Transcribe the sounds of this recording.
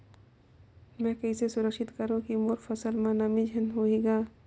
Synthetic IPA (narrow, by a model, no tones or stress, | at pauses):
mɛ̃ːkɐisesʊɾəkʃɪt̪kəɾũkimoːɾfʰɐsəlmãnamĩd͡ʒʱənɦoiɡaː